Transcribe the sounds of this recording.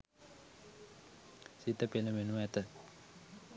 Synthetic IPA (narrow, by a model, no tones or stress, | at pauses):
sit̪əpenəmenuɛt̪ə